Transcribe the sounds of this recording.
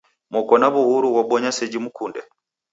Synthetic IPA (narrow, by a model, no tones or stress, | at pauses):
mɔkɔnaβuhuɾuwaɓɔɲasɛd͡ʒimukundɛ